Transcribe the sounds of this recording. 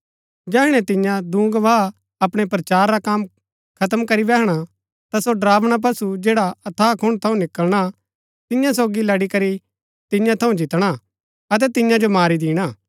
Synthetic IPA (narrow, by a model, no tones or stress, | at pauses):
d͡ʒɛːɪɽ̃ɛ̃t̪ɪ̃jãd̪ũːɡʋaː | ɐpɽ̃epɾɐt͡ʃaːɾːakaːm | kʰɐt̪əmkɐɾibɛːɦɽ̃a | t̪asoɖɾaːʋɽ̃ap̬ɐsud͡ʒeːɽaɐt̪ʰaːkʰʊɽ̃t̪ʰɐũnɪkəlɽ̃a | t̪ɪjãs̬oːɡilɐɽikɐɾi | t̪ɪjãt̪ʰɐũd͡ʒɪt̪ɽ̃a | ɐt̪̬ɛt̪ɪjãd͡ʒomaːɾid̪iːɽ̃aː